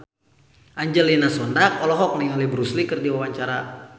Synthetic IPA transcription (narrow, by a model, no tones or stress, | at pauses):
ʔaɲd͡ʒəlinasɔndak̚ɔlɔɦɔk̚naiɔlɛbɾuslikɨrdiwawaɲt͡ʃaɾa